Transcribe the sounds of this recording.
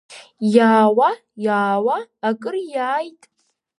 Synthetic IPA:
jaːwa | jaːwaːkʼɨrjaːjtʼ

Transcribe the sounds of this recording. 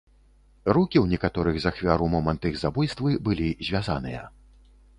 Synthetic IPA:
rukʲiwnʲɛkat̪ɔɾɨɣzaxvʲaɾumɔmɐnt̪ɨɣzabujst̪vɨbɨlʲizʲvʲazanɨjɐ̰

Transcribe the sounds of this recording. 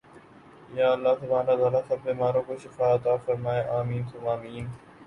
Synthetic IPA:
jaːəlːaːt̪ʊbʱaːnɾaːt̪aːlaːsɐbːeːmaːɾõːkoːʃɪfaːət̪aːfəɾmaːeːʔaːmiːnt̪ʰʊmaːmiːn

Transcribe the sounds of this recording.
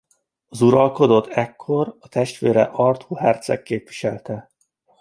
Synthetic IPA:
ɒzuɾɒlko̞d̪o̞t̪ʰːɛkʰːo̞ɾɒt̪ɛʃt̪ʋeːɾɛʔɒrt̪huːɦɛrt̪sɛ̰kːeːpvʋiʃɛlt̪ɛ

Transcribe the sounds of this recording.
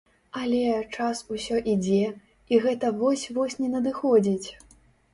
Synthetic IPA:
ɐlʲɛt͡ʂasusʲɔʔid͡zʲɛ | iɣɛt̪ɐvɔsʲvɔsʲnʲɛnɐd̪ɨxɔd͡zʲit͡sʲ

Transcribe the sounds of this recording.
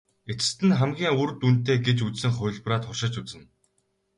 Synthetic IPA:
et͡sɘ̥̆st̪ɘ̆nχæmɡʲiːŋurt̪un̥t̪eːɡet͡ɕut͡ssɘ̆ŋχʊːɮpraːt̪χʊrʃɪ̆t͡ɕut͡sɘ̆n

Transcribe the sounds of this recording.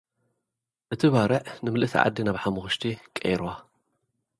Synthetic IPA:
ʔɨt̪ʰiβaɾɐʕnɨmɨlʔɨsʰḭʕa̰d̪ːinaβħamuxɨʃt̪ʰikʼḛjɾwa

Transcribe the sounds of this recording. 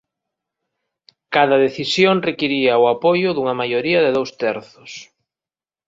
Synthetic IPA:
kaðɐðeθisjoŋrekiɾiɐʊapojʊðuŋɐmajoɾiɐðɪðowst̪ɛɾθʊs

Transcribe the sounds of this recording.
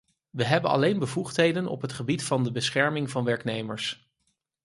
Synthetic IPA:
ʋəɦɛbənɑ̰lejnbəvuχtɦejdənɔ̰pɦətχəbitfɑndəbəsχɛɹmɪŋvɑnʋɛɹknejməɹs

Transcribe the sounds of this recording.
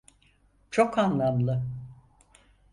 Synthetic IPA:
t͡ʃʰo̞kanlˠamlˠɯ

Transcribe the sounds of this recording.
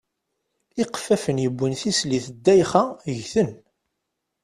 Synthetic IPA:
ɪqfæfənjəbʷːənθisliθəd̪ːæjχaʝθən

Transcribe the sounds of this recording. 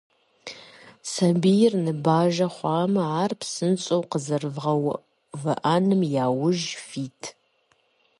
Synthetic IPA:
sɐbijɪrnɨbaːʒɐχʷɑːmɐaːrpsɨnt͡sʼowqəzɐrvʁɐw | vɐʔanɨmjaːwʊʒfiːtʰ

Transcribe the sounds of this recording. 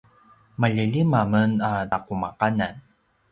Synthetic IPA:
maʎəʎimamənadakumaqanan

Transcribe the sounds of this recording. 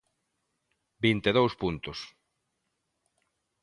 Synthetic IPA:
bint̪eðowspunt̪ʊs

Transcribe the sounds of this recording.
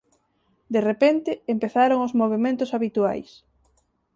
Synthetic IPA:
d̪erepent̪ɪːmpeθaɾoŋʊzmoβ̞emẽnt̪ʊsaβit̪ua̰js

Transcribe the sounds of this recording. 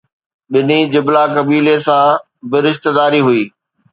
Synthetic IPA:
ɓɪnid͡ʑɪblakɐbiːlesã | bɪɾɪʃt̪ɪd̪aːɾiɦʊiː

